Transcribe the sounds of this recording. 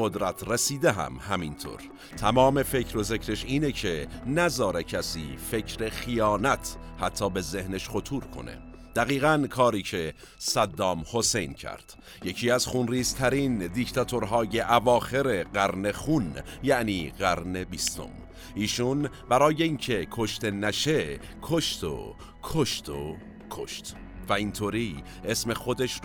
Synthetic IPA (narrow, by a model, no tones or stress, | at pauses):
od̪ɾæt̪ʰresiːd̪eɦæ̰mhæmint̪ʰo̰ːɾ | t̪ʰæmɒːme̞fecʰɾo̞zecʰɾe̞ʃiːne̞cʰe̞næzɒːɾecʰæsḭːfe̞cʰɾe̞xijɒːnæt̪ʰhæt̪ʰːɒːbe̞ze̞hneʃχo̞t̪ʰuːɾkʰo̰ne̞̰ | d̪̥æɣiːɣænkʰɒːɾiːcʰe̞ | sæd̪ːɒːmho̞sejncʰæ̰ɾd̪̥ | je̞cʰiːæzχunriːz̥t̪ʰæɾiːnd̪ict̪ʰɒt̪ʰoɾɦɒːje̞ʔævɒːxe̞ɾe̞ɢæɾne̞χunjæʔniːɣæɾne̞bist̪o̞̰m | ʔiːʃun | bæɾɒːje̞iːncʰe̞kʰo̞ʃt̪e̞næʃe̞ | kʰo̞ʃt̪ʰo̰ | kʰo̞ʃt̪ʰo̰ | kʰo̰ʃt̪væint̪ʰoːɾiː | ʔesme̞xo̞d̪e̞ʃ